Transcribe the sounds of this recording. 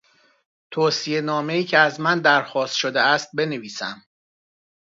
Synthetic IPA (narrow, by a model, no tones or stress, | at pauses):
t̪ʰoːsie̞nɒːme̞iːcʰeæzmænd̪æɾxɒːst̪ʃod̪eæst̪̚be̞neviːsæ̰m